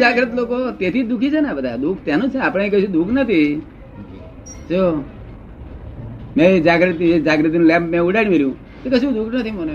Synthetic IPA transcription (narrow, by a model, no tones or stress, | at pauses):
d͡ʒaːɡɾət̪loːkoːt̪eːt̪ʰiːd̪ʊkʰit͡ʃʰenapəd̪a̰ːd̪uːkʰt̪jaːnũːt͡ʃʰeaːpɽ̃aːik̬əsũd̪uːkʰnət̪ʰi | t͡ʃoː | mɛ̃ːed͡ʒaːɡɾət̪ed͡ʒaːɡɾət̪inũlɛ̃ːmpmɛ̃ːʊɖaːɽ̃ĩʋeljũː | t̪ekəsũd̪uːkʰnət̪ʰimone